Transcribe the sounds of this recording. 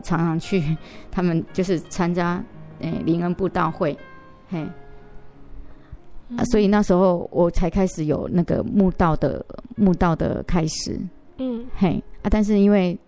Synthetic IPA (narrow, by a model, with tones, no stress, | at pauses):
ʈ͡ʂʰɑ˧˥ŋt͡sʰɑ˧˥˦ŋt͡ɕʰy˥˧t̪ʰa˥mə˨nt͡ɕjo˥˧ʊʂɻ̩˥˩t͡sʰa˦nt͡ɕja˥ʔe˥˩li˧˥ŋə˦˥npu˥˧t̪ɑ˥˧ʊxwe˥˨˩ɪ | he˥˩ɪ | a˨˩swɔ˧˥i˨˩na˥˩ʂɻ̩˧˥xo˥˩ʊwʔɔ˨˩t͡sʰa˨˧˥ɪkʰa˥ɪʂɻ̩˨˩˦jo̰˨˩ʊna˥˩ɡə̰˩mu˥˧t̪ɑ˥˩ʊd̪ə̰˩mu˥˧t̪ɑ˥˩ʊd̪ə̰˨˩kʰa˦ɪʂɻ̩̰˨˩˦ | he˥˩ɪa˥˧t̪a˥˧nʂ̬ɻ̩˥˩i˦˥nwe˥˩ɪ